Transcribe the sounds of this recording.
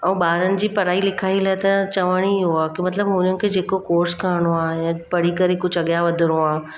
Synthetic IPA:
ɐ̃ũɓaːɾənɪ̆d͡ʑiːpɐɾaːilɪkʰaːilaːɪt̪ɐt͡ɕɐʋəɽ̃iɦuaːkimɐt̪ləbɦʊnənɪ̆kʰeːd͡ʑeːkokoːɾskaːɾɪɽ̃oaːɪ̃jãpɐɽ̤ikɐɾekʊd͡ʑʱɐɠjaʋɐd̪ʱɪɾoaː

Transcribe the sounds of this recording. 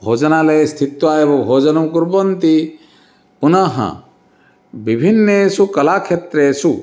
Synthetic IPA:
bʱod͡ʒɐnalest̪ʰit̪ːuaːebɔbʱod͡ʒɐnumkuɾbɔnt̪i | punaɦɐ̰̃ | bibʱinːesukɐlakʰet̪ɾeːsu

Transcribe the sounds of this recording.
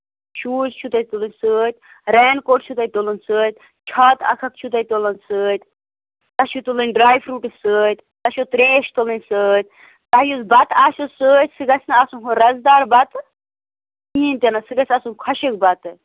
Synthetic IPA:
ʃuːt͡ʃt͡ʃʰut̪ɐjt̪ulɨnʲsɨːt̪ʲ | ɾɛːnkoːʈt͡ʃʰut̪ɐjt̪olɨnsɨːt̪ʲ | t͡ʃʰɐt̪ɐ̰kʰɐk̪̚t͡ʃʰut̪ɐjt̪olɨnʲsɨːt̪ʲ | t̪ɐʃut̪ulɨnʲɖɾaːjfʰɾuːʈɨsɨːt̪ʲ | t̪ɐʃot̪ɾeːʃt̪olɨnʲsɨːt̪̚ʲ | t̪ɐɦjuzbɐt̪aːʃosɨːt̪ʲsɨɡɐsʰʲnɐaːsunɦuɾɐzd̪aːɾbɐt̪ | iːnt̪ʲɐnɐsɨɡɐsʰʲasunkʰɐʃɨk̚bɐt̪ɨ

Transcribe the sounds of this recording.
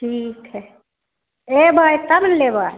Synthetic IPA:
ʈʰikɦɛ | ebʱajt̪əmnlebʱaj

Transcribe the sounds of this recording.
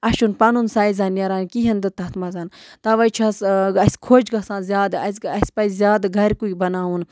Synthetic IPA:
ɐʃunpɐnunsaːizanjɐɾaːnkiɦɐnd̪ɨt̪ɐt̪mɐzaːnt̪aʋɐjt͡ʃʰasɐsʲkʰoːd͡ʒɡɐsãːnzʲjaːd̪ɐsɐsʲpɐjzʲjaːd̪ɡʱɐɾkuibɐnaːun

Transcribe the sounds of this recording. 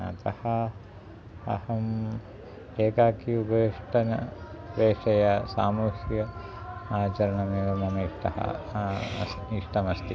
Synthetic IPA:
ɐ̰t̪ɐhɐ | ɐ̰hɐm | eːkaːkijubɐiʂʈɐnɐʋeːʂɐjɐsa̰ːmuːhjɐ | aːt͡ʃɐɾɐɳɐmeɡɐmɐmiːʂʈɐ̰hɐ̰ | iʂʈɐmɐst̪i

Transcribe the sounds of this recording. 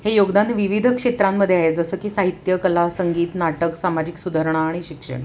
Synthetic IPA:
hejoɡd̪anʋiʋid̪ʱəkʂet̪ɾamːəd̪ʱːjeaɦed͡zəsəːkiːsaɦit̪jəkəlasəŋɡiːt̪naʈəksamad͡ʑiksud̪ʱəɾɳaːɽ̃iɕikʂə̰ɳ̃

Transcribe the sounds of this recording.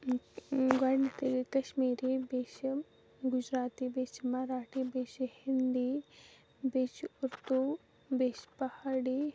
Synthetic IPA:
ɡanit̪ikɐʃmiːɾibeːʃ | ɡʊd͡ʒɾaːt̪ibeːt͡ʃmaɾaːʈʰibeːʃhind̪i | bet͡ʃuɾt̪u | beːʃpɐhaːɽi

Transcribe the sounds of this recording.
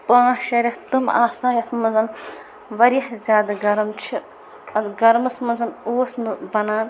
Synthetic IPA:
pãːʃɐɾʲɐht̪uma̰ːsãːjɐt̪mɐzɐn | ʋɐɾihzʲjaːd̪ɐɡɐɾɐmt͡ʃʰi | ɐd̪ɡɐɾmɐsmɐnzɐnoːsnɨbɐnaːn

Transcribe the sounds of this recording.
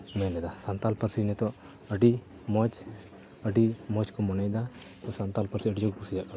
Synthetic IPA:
mɛnɛd̪asant̪alpəɾsinɛt̪ɔ | əɖi | mɔt͡ʃ | əɖimɔt͡ʃkɔmɔnajd̪at̪ɔsant̪alpəɾsiəɖid͡ʒɔkɔpusijaʔk

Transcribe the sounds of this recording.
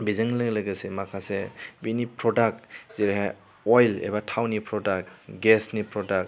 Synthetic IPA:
bizaŋlɯɡlɯɡəsemakʰasebinipʰɾɔdak̚ziɾeɦa | ɔjlḛbatʰawnipʰɾɔdak̚ɡesnipʰɾɔdak̚

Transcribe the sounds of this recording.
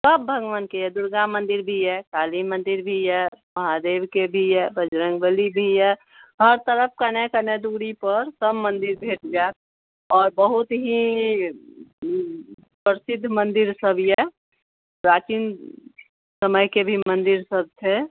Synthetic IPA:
səbːʱəɡəʋənkejɛd̪ʊɾɡamə̃nd̪ɪɾbʱijɛkaːlimə̃nd̪iɾbʱijɛməɦad̪eːbkebʱiɛbəd͡ʒɾə̃ŋɡbəlibʱijɛ | həɾt̪əɾəp̚ʰkənekəned̪uɽipəɾsəbmənd̪ɪɾbʱeːʈ̚d͡ʒaːt̪̚ | ɔːɾbəɦut̪ɦi | pɾəsɪd̪ʱːmə̃nd̪ɪɾsəbʱjɛ | pɾaːt͡ʃin | səməjkebʱimənd̪iɾsəb̚t̪ʰe

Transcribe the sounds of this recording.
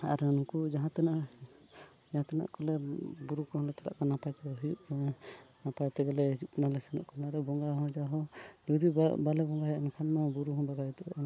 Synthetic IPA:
a̰ɾɛnukud͡ʒaɦãt̪ɛnaʔ | d͡ʒaɦãt̪ɛna̰ʔkɔlɛbuɾukɔhɔ̃lɛt͡ʃaɾa̰ʔkanapajt̪ɛɦijuʔ | napajt̪ɛɡalɛjuʔnalɛsɛnɔ̰ʔkʰɔnaɾɛbɔŋɡaɦɔ̃d͡ʒaɦɔd͡ʒɔd̪ibalɛbɔŋɡaɦɛankʰanmabuɾuɦɔbaɡajɛt̪ɔʔn

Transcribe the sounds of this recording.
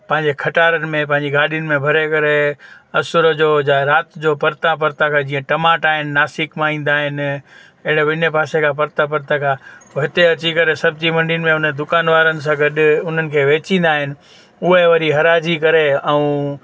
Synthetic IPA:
pɐ̃ɦɪ̃ɲd͡ʑekʰɐʈaːɾənɪ̆mẽpɐ̃ɦɪ̃ɲd͡ʑiɡaːɗijʊnɪ̆mẽbʱɐɾekɐɾeɐsʊɾəd͡ʑoːd͡ʑaɾaːt̪d͡ʑopɐɾt̪ãp̬ɐɾt̪akʰad͡ʑĩːə̃ʈɐmaːʈaːɦɪnɪnaːsikmãːĩːnd̪aːɦɪn | ɐɦɪɽeʋɪnepaːsekʰap̬ɐɾt̪ap̬ɐɾt̪akʰaːɦɪt̪eɐt͡ɕikɐɾesɐbd͡ʑimɐ̃ɳɖɪʊnɪ̆mẽʊnd̪ʊkaːnʋaːɾənɪ̆s̬ãɡɐɗʊn̤ənɪ̆kʰeːʋeːt͡ɕĩːn̆d̪aːɦɪnɪ̆ | ʊɦeʋɐɾiɦɐɾaːd͡ʑikɐɾeɛũ

